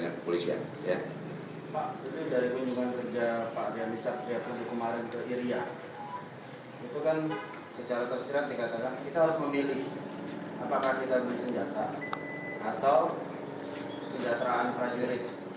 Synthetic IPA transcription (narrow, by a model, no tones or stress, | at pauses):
ɲa̰kəpolisia̰n | ja | paʔit̪udaɾikuɲd͡ʒuŋankərd͡ʒapaʔɾiamisat̪̚ɾiapəlbikəmaɾɪnkəʔiɾia | it̪ukan | sət͡ʃaɾat̪ərsiɾat̪̚dikat̪akankit̪aɦaɾʊsməmilɪhʔapakahkit̪abəlɪsəɲd͡ʒat̪a | ʔːt̪aw | səɲd͡ʒat̪ɾaːnpɾamiɾɪt̪̚